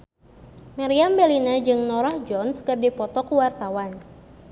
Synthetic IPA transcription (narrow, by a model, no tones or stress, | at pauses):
maɾiambɛlinad͡ʒɨŋnɔɾahd͡ʒɔnskɨrdipɔt̪ɔkuwart̪awan